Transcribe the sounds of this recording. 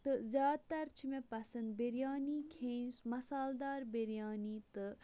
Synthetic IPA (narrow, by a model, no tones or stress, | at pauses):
t̪ɨzjaːd̪̚t̪ɐɾt͡ʃʰimẽpɐsɐnd̪̚beɾijaːniːkʰẽːnsmɐsaːld̪aːɾbeɾjaːniːt̪ɨ